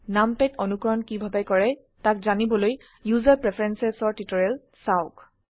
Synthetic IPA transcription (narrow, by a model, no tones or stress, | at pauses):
nampɛtʰɔnukɔɹɔnkibʱabajkɔɹɛ | tak̚zanibɔloj | juzaɹpɹepʰɹɛnsɛsɔɹtitɔɹɛl | saʊk